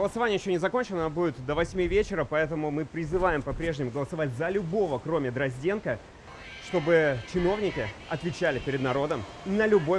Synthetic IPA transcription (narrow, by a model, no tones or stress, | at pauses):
ɡəlˠəsɐvanʲɪəjɪɕːonʲɪzɐko̞nʲt͡ɕɪnəbudʲɪt̪d̪əvɐsʲmʲivʲet͡ɕɪɾəpɐɛt̪əmʊmɨpɾʲɪzɨvajɪmpɐpɾʲeʐnʲɪmʊɡəlˠəsɐvatʲzəlʲʊbo̞vəkɾo̞mʲɪd̪ɾɐzʲdʲe̞nkə | ʂt̪o̞bɨt͡ɕɪno̞vnʲɪkʲɪɐt̪vʲɪt͡ɕælʲɪpʲɪɾʲɪd̪nɐɾo̞d̪əm | nəlʲʊbo̞